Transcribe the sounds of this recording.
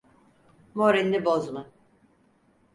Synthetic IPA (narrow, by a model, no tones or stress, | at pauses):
moɾinʲːibozma